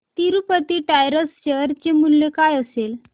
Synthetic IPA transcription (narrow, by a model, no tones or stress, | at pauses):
t̪iɾupət̪iːʈajɾəsɕəɾt͡ɕemulːjekajəsel